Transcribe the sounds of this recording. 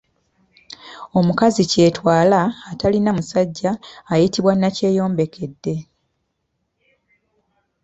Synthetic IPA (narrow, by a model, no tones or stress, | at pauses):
o̞mukazice̞ːtwaːlaːtalinamusaɟːaːjitiβwanːace̞ːjo̞ːmbe̞kʰe̞dːe̞